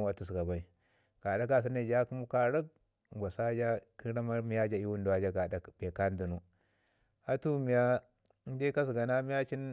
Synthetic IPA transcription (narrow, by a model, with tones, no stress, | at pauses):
u˦a˦tu˨s̬ɡa˨ba˨i˦ | ɡ̥a˨da˦ka˦s̬i˦ne˦˨d͡ʒa˦ku˦mu˦ka˦ɾə˦k̚ | ɡʷa˨sa˦d͡ʒa˦ki˦ɾa˦ma˦ɾmi˦ja˦d͡ʒa˦i˦wu˦n˦du˨a˦d͡ʒa˦ɡa˨da˨be˨ka˦n˦du˨nu˦ | a˦tu˦mi˨ja˦ | de˦ka˦s̬ɡa˨na˦mi˦ja˦t͡ʃi˦n